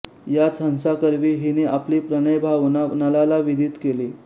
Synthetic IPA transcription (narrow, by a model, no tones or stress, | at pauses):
jat͡sʰənsakəɾʋiːɦiniːapliːpɾəɽ̃əjbʱaʋnanalalaʋid̪ʱiːt̪keliː